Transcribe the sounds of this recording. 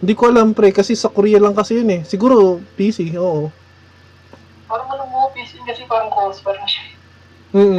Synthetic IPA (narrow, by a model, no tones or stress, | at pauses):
hɪnd̪iːkoʔɐlampɾɛkɐsɛsɐkʊɾiːjɐlɐŋkɐsɛjonɛsɪɡuːɾopiːsɪʔoːʔo | paːɾɐŋɐlɐmopiːsɪɪkɐsɛpaːɾɐŋkospaːɾɐŋʃɐ | m̩ːʔ